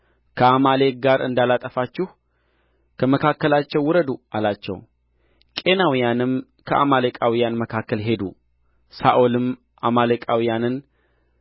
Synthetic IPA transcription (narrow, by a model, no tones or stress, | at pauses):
kʰəamale̞k̚ɡaɾʔɨ̰nd̪alat̪ʼəfat͡ʃːɪh | kʰəməkʰakːəlat͡ʃːɛwːʊɾəd̪ualat͡ʃːɛ̰w | kʼe̞nawijanɨm | kʰəʔa̰malekʼawijanməkʰakːəlɦe̞d̪ṵ | saʔolɨm | ʔamalekʼawijanɨn